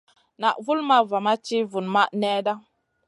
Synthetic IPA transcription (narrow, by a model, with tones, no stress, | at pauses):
na˨ʔvu˦lma˦va˨ma˦t͡ʃi˦vu˨nma˦ʔnɛ˦da˦